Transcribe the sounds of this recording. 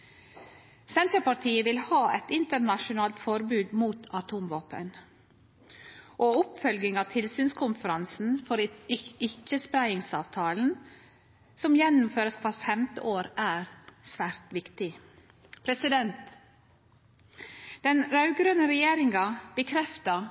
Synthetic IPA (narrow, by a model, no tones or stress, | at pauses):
sɛnt̪əpɑʈʰiːəʋɪlhɑːɛt̪ɪnt̪əɳɑʃʊnɑːlt̪fɔɾbʉːd̪muːt̪ʰɑt̪ʰuːmʋɑːpə̰n | ʔoːʊpfœlɡɪŋɑːʋt̪ʰɪlsyːnskʰʊnfəɾɑnsn̩fɔɾɪɪt͡ʃːəspɾæɪɪŋsɑːʋt̪ʰɑːln̩ | sɔmjɛnːʊmføːɾəspʰɑɾfɛmt̪ə̰ʔoːɾæːɾsʋæːɾt̪ʋɪkt̪ɪ | pʰɾɛsɪd̪ɛnt̪ | d̪̥ɛnɾɑʉɡɾønəɾɛjeːɾɪŋɑb̥əkʰɾɛft̪ə